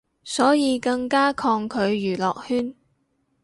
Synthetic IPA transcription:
sɔː˨˥jiː˨˧kɐ˧ŋkaː˥kʰɔː˧ŋkʰɵ˨˧ɥjyː˨˩lɔː˨k̚hyː˥n

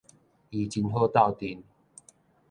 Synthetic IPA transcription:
i˨t͡ɕi˧nɦo˥˧t̪a˥˧˨wt̪i˨˩n

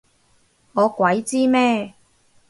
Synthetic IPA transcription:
ŋɔː˨˧kʷɐ˨˥jt͡siː˥mɛː˥

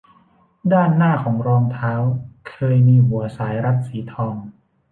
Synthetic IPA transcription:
daː˥˩nːaː˥˩kʰɔː˩˦ŋɾɔː˧ŋt̪ʰaː˦˥wkʰɤː˧jmiː˧ɦu˩˦ɐsaː˩˦jɾa˦˥t̪̚siː˩˦t̪ʰɔː˧ŋ

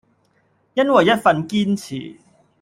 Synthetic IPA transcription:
jɐ˥nwɐ˨jːɐ˥t̚fɐ˧nkiː˥nt͡sʰḭː˨˩

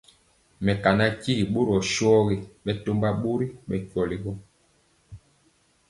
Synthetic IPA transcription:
mɛ˨ka˨na˦ci˦˨ɓo˦ɾɔ˨ʃɔ˦ɣe˨ɓɛ˦to˦mba˦ɓo˦ɾi˦ɓɛ˨kɔ˨li˨ɣɔ˦

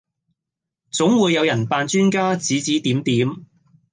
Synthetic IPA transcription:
t͡sʊ˨˥ŋwuː˨˧jːɐ˨˧wjɐ˨˩npaː˧nt͡ʃyː˥nkaː˥t͡siː˨˥t͡siː˨˥t̪iː˨˥mt̪iː˨˥m

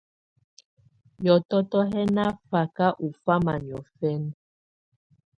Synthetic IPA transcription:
jɔ˨tɔ˦tɔ˦ɦɛ˦na˦fa˨ka˦ʔu˨fa˦ma˨ni˨ɔ̰˨fɛ˦n

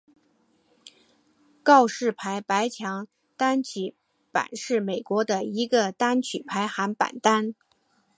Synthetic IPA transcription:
kɑ˥˧ʊʂɻ̩˥˩pʰa˧˥ɪpa˧˥ɪt͡ɕʰjɑ˧˥ŋ | t̪a˥nt͡ɕʰi˧˥ | pa̰˨˩nʂɻ̩˥˩me˨˩ɪkwɔ˧˥d̪ə˧i˧˥ɡə˧t̪a˥nt͡ɕʰy˨˩pʰa˧˥ɪxa˧˥npa̰˨˩nt̪a˥n

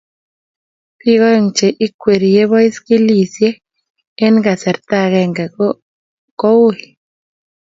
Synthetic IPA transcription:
pi˦ɡɔ˦jɔ˨ŋt͡ʃe˨ʔɪ˦kwe˨ɾi˨je˦βɔ˦ɪ˦skɪ˦li˨sjeː˦ | nɡa˨sɛ˨ɾt̪a˦˨ɣɛ˨ŋɡɛ˨ | kɔ˦wo˦ɪ˨

